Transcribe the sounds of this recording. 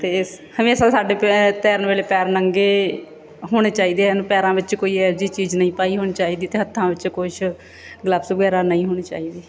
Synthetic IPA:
t̪eːshəmeːsaːsaːɖeːt̪ɛːɾnʋeːleːpɛːɾnəŋɡeː | ɦoːɽ̃eːt͡ʃaːiːd̪eːənpɛːɾãːʋɪt͡ʃkoːiːɛːɾd͡ʒiːt͡ʃiːd͡ʒnəĩːpaːiːɦoːñiːt͡ʃaːiːd̪iːt̪eːɦət̪ʰːãːʋɪt͡ʃkʊʃʰ | ɡləbsɡɛːɾaːnəĩːɦoːɽ̃eːt͡ʃa̰ːiːd̪eː

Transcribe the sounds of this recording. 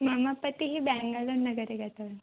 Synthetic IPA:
mamapət̪iɦiːbɛ̃ŋɡalonːəɡəɾeɡʱat̪aʋən

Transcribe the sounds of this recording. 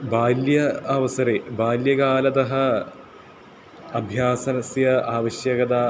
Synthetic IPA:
baːljɐɐʋɐsɐɾebaːljɐɡaːlɐd̪ɐɦɐ | ɐbʱjaːsɐnɐsjɐaːʋɐɕjɐɡɐd̪aː

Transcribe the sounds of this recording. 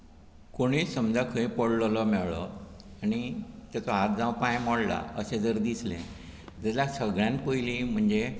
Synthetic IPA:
koɽ̃iːsəmd͡zakʰəĩpəɽlɔlɔmɛɭɔ̰añit̪at͡sɔɦat̪̚d͡zãwpãjmɔɽla̰əsẽd͡zəɾd̪islḛ̃ | d̪alasəɡɭjãnkojlim̤əɳd͡ze

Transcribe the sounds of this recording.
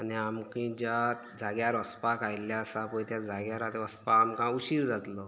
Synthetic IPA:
aniamkĩd͡ʑa | d͡zaɡjaɾəspakajljaəsapəjt̪jad͡zʱaɡjaɾat̪eəspaːmkãuɕiːɾd͡zat̪lɔ

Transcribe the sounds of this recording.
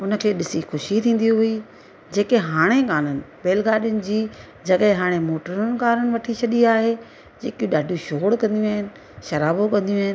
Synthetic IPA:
ʊnə̆kʰeːɗɪsixʊʃit̪ʰĩːn̆d̪ijũɦʊi | d͡ʑeːkeɦaːɽ̃ekaːn̤ənɪ̆beːlɡaːɗɪjʊnɪ̆d͡ʑiː | d͡ʑɐɠɪɦaːɽ̃emoːʈəɾənɪkaːɾənɪ̆ʋɐʈʰit͡ɕʰɐɗiaːɦe | d͡ʑeːkijũɗaːɖʱũʃoːɽkɐ̃nd̪ijũaːɦɪnɪ̆ | ʃɐɾaːbokɐ̃nd̪ijũaːɦɪn

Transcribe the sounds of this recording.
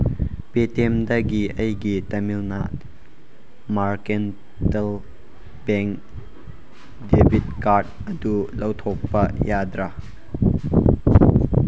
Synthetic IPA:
pet̪ɛmd̪ɐɡiʔɐjɡit̪ɐmilna̰ʔ | markɛn | tɛl | bɛŋk | debit̪̚kart̪̚ʔəd̪ulɐwt̪ʰɔk̚pɐjad̪ɾa

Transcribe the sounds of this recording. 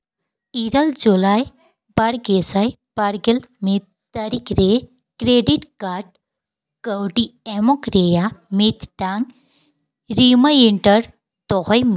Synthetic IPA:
iɾɐld͡ʒulaːj | bɐɽɡesaj | b̥ɐɾɡelmit̪ | t̪ɐɾikɾe | kɾeɖiʈkaːʈ | kəwʈiemokɾejamit̪ʈaŋɡ | ɾimɐiɳʈəɾ | t̪oɦɔjm

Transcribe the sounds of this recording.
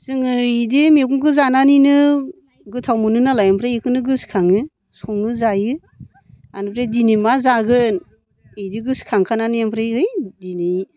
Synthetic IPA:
zɯŋɯidimeɡuŋkʰɯzananinɯ | ɡɯtʰawmɯnɯnalajampʰɾajikʰɯnɯɡɯskʰaŋɯ | sɔŋɯzajɯ | anɯpʰɾedinimazaɡɯn | ɯjdiɡɯskʰaŋkʰananijampʰɾajɯjdinɯj

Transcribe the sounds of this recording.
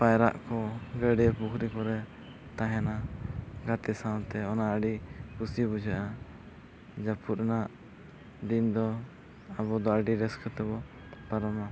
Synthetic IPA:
pajɾa̰ʔkɔɡəɖɛpukʰɾikɔɾɛ | t̪aɦɛnaɡat̪ɛsawt̪ɛɔnaəɖikusibud͡ʒɛʔa | d͡ʒapʰut̪̚naʔ | ɖind̪ɔ | aβɔd̪ɔəɖiɾɛskət̪ɛbɔ | paɾɔma

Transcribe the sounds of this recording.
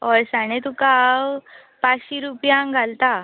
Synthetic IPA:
ɔɾsañet̪ukaw | pãt͡sɕiɾupjãŋɡʱalt̪a

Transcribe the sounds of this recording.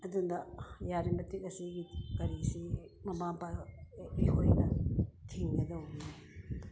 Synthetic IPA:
ɐdundɐjaɾimɐtikɐsiɡikɐɾisimɐmapaihojnɐtʰiŋɡɐdɐwuno

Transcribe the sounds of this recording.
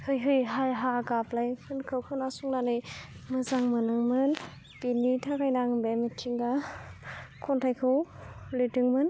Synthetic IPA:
hɯjɦɯjɦajɦaɡaplajkʰɯnkʰɯwkʰɯnasuŋnanɯjmɯzaŋmɯnɯŋmɯn | pinːitʰakajnaŋbemɯt͡ʃiŋɡa | kʰɔntʰajkʰɯwlɯtɯŋmɯn

